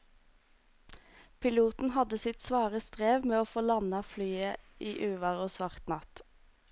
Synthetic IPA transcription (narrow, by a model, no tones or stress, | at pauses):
pʰɪluːt̪n̩hɑd̪əsɪt̪sʋɑːʁəst̪ʁeːʋmeːoːfoːlɑnɑflyːəiːʔʉːʋɑːʁoːsʋɑʁt̪nɑt̪